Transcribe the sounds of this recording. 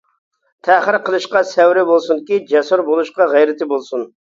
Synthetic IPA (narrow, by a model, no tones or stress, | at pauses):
t̪ʰæχəɾqʰəlˠɨʃqɑsɛwɾɪbolˠsunkʲid͡ʒɛsuɾbolˠuʃqɑʁɛjɾɪt̪ʰɪbolˠsun